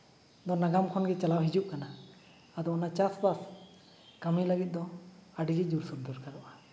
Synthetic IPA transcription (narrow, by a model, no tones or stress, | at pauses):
d̪ɔnaɡamkʰɔnɡɛt͡ʃalawɦid͡ʒuʔkanaː | d̪ɔɔnat͡ʃasbas | kamilaɡit̪̚d̪ɔaɖiɡɛd͡ʒuɾsɔɾd̪ɔɾkaɾɔʔa